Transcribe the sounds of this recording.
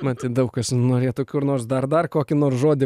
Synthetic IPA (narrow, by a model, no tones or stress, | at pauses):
mɐt̪ʲɪd̪ɐʊkkɐsnoːɾʲeːt̪oːkʲuːɪrnoːrsd̪ɐrd̪ɐrkoːkʲɪnoːrsʒoːd̪ʲɪ